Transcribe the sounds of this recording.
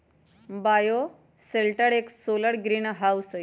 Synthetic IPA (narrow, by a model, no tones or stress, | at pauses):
bajo | selʈəɽeksoləɽɡɾiːnɦawsəj